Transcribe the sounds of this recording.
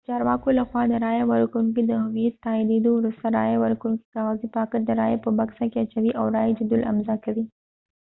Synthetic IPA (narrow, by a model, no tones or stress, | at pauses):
t͡ʃɑːɾwɑkolaxwɑd̪əɾajewɐɾkuŋkid̪əɦʊmit̪ːaid̪ed̪owɾʊst̪aɾajewɐɾkuŋki̥kawazipakəɾd̪əɾajepəbɐksakeɐt͡ʃawiʔawɾajed͡ʒʊd̪ʊlɐ̰mzakɐwi